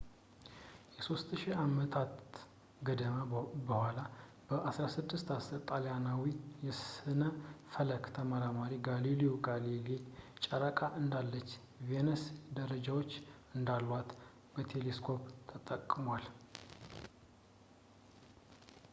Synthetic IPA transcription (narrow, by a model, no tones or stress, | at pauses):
jɛso̞st̪ʃiamət̪ʰat̪ | ɡəd̪əməbəhʷwʷala | b̥əʔasɾasɨd̪ːɨst̪asɨɾt̪ʼaljanawijɛsɨnəfələkt̪ʰəməɾamaɾiɡaliliuɡalilit͡ʃʼəɾəkʼaʔɨnd̪alːət͡ʃː | venɛsd̪əɾəd͡ʒawo̞t͡ʃːɨnd̪alwat̪ | bət̪ʰe̞leskʰo̞pt̪ʰət̪ʼəkʼːmwal